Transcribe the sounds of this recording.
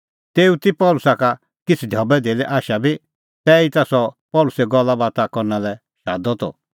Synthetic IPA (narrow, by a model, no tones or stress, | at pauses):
t̪eːut̪ipɔlʊsaka | kɪt͡sʰd̪ʱjɔbɛd̪eːlɛʔaːʃabi | t̪ɛːit̪asɔpɔlʊsɛɡɔlːabaːt̪akɔɾnalɛ | ʃa̰ːd̪ɔt̪ɔ̰